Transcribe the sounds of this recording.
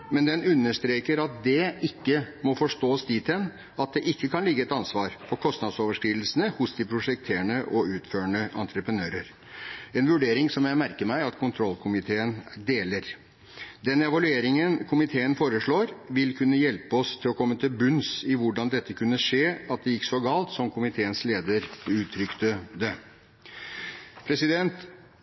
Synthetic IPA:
mɛnd̪ɛnʉnːəʂt̪ɾeːkəɾɑt̪̚d̪ɛɪkːəmɔfɔʂt̪oːsd̪iːt̪ʰɛn | ɑt̪̚d̪ɛʔɪkːəkʰɑnlɪɡːəɛt̪ɑnsʋɑːɾfɔɾkʰɔst̪nɑd̪soːʋəʂkɾiːd̪l̩sənəhʊsd̪ɪpʰɾʊʂɛk̚t̪ʰeːəɳəʔɔʉːt̪føːəɳəʔɑ̰nt̪ʰɾəpɾənøːɾəɾ | ɛnʋʉɖeːɾɪŋsɔmjæɪmæɾkəɾmæɪɑt̪kʰʊnt̪ʰɾɔlːkʰʊmɪt̪ʰeːənd̪eːləɾ | d̪ɛnɛʋɑlʉeːɾɪŋənkʰʊmɪt̪ʰeːənfoːɾəʂɭoːɾʋɪlkʰʉnːəjɛlpəɔst̪ʰɪlɔkʰɔmːət̪ʰɪlbʉnsɪʋʊɖɑnd̪ɛt̪ːəkʰʉnːəʂeːɑt̪̚d̪ɛjɪkːsɔɡɑːlt̪sɔmkʰʊmɪt̪ʰeːənsleːd̪əɾʉːt̪ʰɾʏkt̪əd̪ɛ | pʰɾɛsɪd̪ɛnt̪

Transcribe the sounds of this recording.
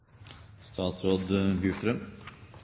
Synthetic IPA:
st̪ʰɑːt̪sɾoːd̪hʏst̪ɾəm

